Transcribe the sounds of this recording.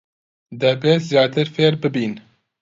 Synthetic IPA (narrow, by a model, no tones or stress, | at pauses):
d̪ɛbeːzjɑːt̪ɨɾfeːɾbɪbiːn